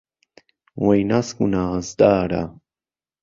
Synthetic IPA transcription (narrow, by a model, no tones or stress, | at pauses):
wajnaskunaːzd̪aːɾa̰